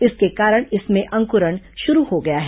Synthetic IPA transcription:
ɪskekaːɾəɽ̃ɪsmẽʔɐ̃ŋkʊɾəɽ̃ | ʃʊɾuhoɡɐjaɦɛː

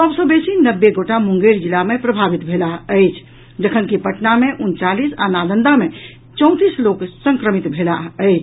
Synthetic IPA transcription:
səbsə̃besinəbːeɡoʈamũŋɡeɾd͡ʒilamepɾəbʱabit̪bʱelaɦəjt͡ʃʰ | d͡ʒəkʰənkipəʈnameʔunt͡ʃalisa̰nalənd̪ame | t͡ʃə̃ʊ̃t̪isloksəŋkɾəmit̪bʱelaəjt͡ʃʰ

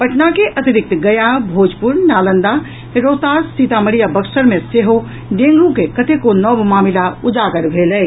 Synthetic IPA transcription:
pəʈnakeʔət̪iɾik̚t̪ɡəjabʱod͡ʒpuɾnnaːlənd̪a | ɾot̪asit̪aməɽijabəksəɾmeseɦo | ɖẽŋɡlũkekət̪ekonɔbmaːmilaud͡ʒaɡəɾbʱeləj

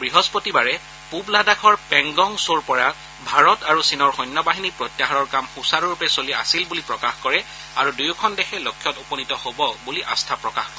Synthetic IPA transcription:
bɹiɦɔspotibaɹɛ | publadakʰɔɹpɛŋɡɔŋsoɹpɔɹa | bʱaɹɔtaɹusinɔɹxɔjnːɔbaɦinipɹotjaɦaɹɔɹkamxusaɹɹupɛsolia̰silbulipɹɔkaxkɔɹɛ | a̰ɹudujukʰɔndɛxʰɛlokʰːjɔtupɔnitɔhobɔbuliʔa̰stʰapɹɔkax

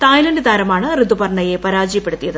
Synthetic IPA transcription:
t̪aːjlɐndɨd̪ʱaːɾɐmaːɳɨrɨd̪ubɐrɳːɐje̞pɐɾaːd͡ʑijɐpːe̞ɽut̪ːijɐðɨ

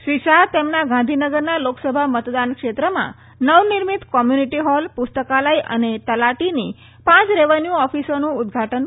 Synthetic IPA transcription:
ʃʋiʃaɾt̪emnaɡãnd̪ʱinəɡəɾnaloksəbʱamət̪d̪ankʂet̪ɾəmã̰ | nəʋniɾmit̪kɔmjuniʈiɦɔlpust̪əkalaiʔə̰net̪əlaʈini | pãt͡sɾeʋanjuɔfisonũːd̪ɡʱaʈən

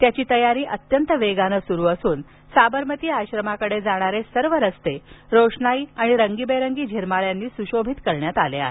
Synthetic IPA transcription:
t̪jat͡ɕiːt̪əjaɾiːʔət̪jənt̪əʋeɡanəsuɾuːəsuːn | sabəɾmət̪iːaɕɾəmakəɽed͡zaɽ̃aɾesəɾʋəɾəst̪eɾoʂɳaiaɽ̃iɾəŋɡiːbəjɾəŋɡiːd͡ʑʱiɾmaɭjanːiːsuɕobʱit̪kəɾɳjat̪alea̰ɦe

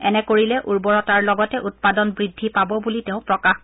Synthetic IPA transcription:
ɛ̰nɛkoɹilɛʔuɹbɔɹɔtaɹlɔɡɔtɛʔut̚padɔnbɹidʱːipabɔbuliteʊ̃pɹɔkax

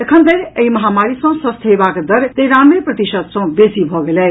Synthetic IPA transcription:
ekʰʌnt̪eneimʌɦamaɾisʌ̃w̃sʌst̪ʰejbakd̪ʌɾt̪ejɾamɾeprʌt̪isʌd̪̚sʌ̃besibʱʌɡelej

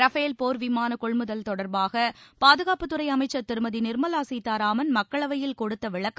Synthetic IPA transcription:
ɾɐfeːlpoːɾʋɪmaːnɐkɔɭmɯðɐlt̪ɔɽɐɾbaːɣɐpaːðɯɣaːpɯt̪ːɯɾɐɪɐmɐɪt͡ʃːɐɾt̪ɪɾɯmɐðinɪɾmɐlaːsiːt̪ːaːɾaːmɐnmɐkːɐɭɐʋɐjɪlkɔɽɯt̪ːɐʋɪɭɐkː

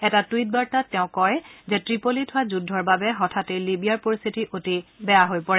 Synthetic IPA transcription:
ɛtatuwit̚baɹtatːɛʊ̃kɔjzɛtɹipolitʰʊwazudʱɔɹbabɛɦɔtʰatejlibijaɹpoɹist̪ʰitiʔotibɛjaɦojpɔɹɛ

